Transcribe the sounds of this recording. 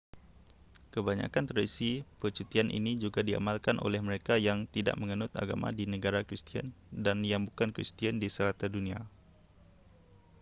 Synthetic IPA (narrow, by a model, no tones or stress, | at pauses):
kəbaɲa̰kant̪ɾaisipət͡ʃut̪ianʔḭnid͡ʒuɡadia̰malkanʔo̰lɛhməɾekajaŋt̪ida̰ʔməŋənʊt̪a̰ɡama̰dinəɡaɾakɾist̪ia̰ndanjaŋbukankɾḭst̪iandisəlat̪adunia̰